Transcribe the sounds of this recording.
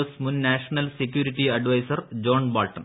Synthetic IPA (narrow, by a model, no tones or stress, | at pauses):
ɐsmunːaːʂɐnɐlsekːjuːɾiʈːiɐɖʋɐjsɐrd͡ʑo̞ːɳbaːlʈːɐn